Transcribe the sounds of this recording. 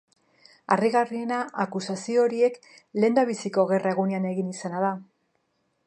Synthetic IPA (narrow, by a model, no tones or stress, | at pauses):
ariɣarie̞naʔakusasio̞ɾie̞k | le̞nd̪aβ̞isiko̞ɣe̞rʔae̞ɣuneane̞ɣinisanaða